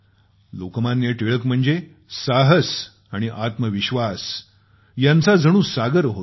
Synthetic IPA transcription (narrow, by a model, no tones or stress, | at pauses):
lokmãnjeʈeɭəkm̤əɳd͡ze | saɦəs | aɽ̃iʔat̪məʋiɕʋas | jãnt͡sad͡zʱəɽ̃ũːsaɡəɾɦo